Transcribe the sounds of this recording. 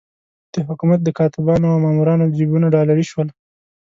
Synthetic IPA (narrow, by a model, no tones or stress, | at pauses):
d̪̥əɦʊkumat̪̚d̪əkɑt̪ɪbɑnoawmɑmuɾɑnod͡ʒibunaɖɑlaɽiʃwəl